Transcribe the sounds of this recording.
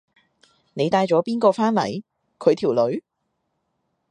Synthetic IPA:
ne˨˧jt̪aː˧jt͡ʃɔː˨˥piː˥nkɔː˧faː˥nlɐ̰˨˩j | kʰɵ˨˧ɥt̪ʰiː˨˩wlɵ˨˧ɥ

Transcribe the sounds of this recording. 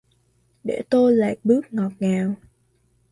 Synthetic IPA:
ɗḛ˧˩t̪o˧jla̰ː˧˨j̚ɓɨ˦˥ək̚ŋɔ˨˩p̚ŋaː˨˩w

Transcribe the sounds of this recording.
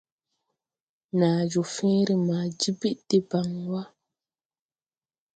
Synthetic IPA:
naː˨d͡ʒo˨fẽ˦ɾi˨maː˨d͡ʒi˦bi˦ʔd̥e˦ba˨ŋwa˦

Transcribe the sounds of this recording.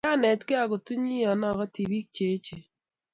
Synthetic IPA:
a˦nɛ˨tkɪ˦a˨ko˨tu˦ɲi˦jɔ˨na˦˨kɔ˦ti˨bi˦k̚t͡ʃe˨˦t͡ʃe˨

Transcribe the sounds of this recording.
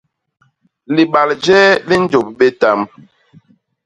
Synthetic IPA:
li˨ɓa˨ld͡ʒɛː˦li˦n˦d͡ʒo˨p̚ɓe˦ta˦m

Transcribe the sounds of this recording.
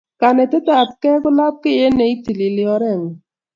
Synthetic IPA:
ka˨nɛ˨tɪ˦ta˨t̚kɛ˦kʊ˦la˦p̚kɪ˦e˦nɛ˨i˦ti˨li˨lɪ˨˦ɔ˧ɾɛ˦˨ŋ˨

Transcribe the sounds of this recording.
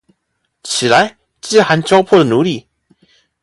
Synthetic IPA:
t͡ɕʰi˨˩la˧˦ɪ | t͡ɕi˥˧xa˧˦nt͡ɕjɑ˥ʊpʰɔ˥˩d̪ə˩nu˨˦li˥˩

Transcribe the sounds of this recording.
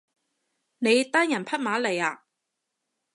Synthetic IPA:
ne˨˧jt̪aː˥njɐ˨˩npʰɐ˥t̚maː˨˥le˨˩jaː˧

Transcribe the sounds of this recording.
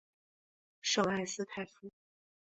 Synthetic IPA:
ʂɤ˨˩a˥˩ɪsɹ̩˥t̪ʰa˥˩ɪfu˥

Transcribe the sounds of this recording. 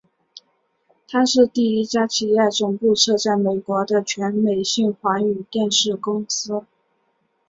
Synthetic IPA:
t̪ʰa˥ʂɻ̩˥˧t̪i˥˩i˥t͡ɕja˥t͡ɕʰi˧˥ja˥˩t͡sʊ˨˩ŋpu˥˧ʈ͡ʂʰɤ˥˧t͡sa˥˩ɪme˨˩ɪkwɔ˧˥d̪ə˧t͡ɕʰɥɛ˧˥nme˨˩ɪɕi˥˩ŋxwa˧˥ŋy˨˩t̪jɛ˥˧nʂɻ̩˥˩kʊ˥ŋsɹ̩˥

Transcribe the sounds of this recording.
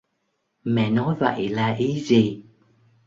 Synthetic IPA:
mɛ̰˧˨nɔ˨˦jvə̰˧˨jlaː˨˩ʔi˨˦zi˨˩

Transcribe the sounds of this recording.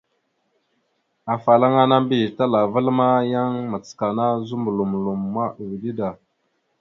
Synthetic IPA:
a˨fa˨la˦ŋa˦na˦mbi˦˨ta˦la˨və˦lma˦ja˦ŋma˨t͡ska˨na˦zu˦mbu˨lu˨mlu˨mːa˦ʔwi˨di˦da˨

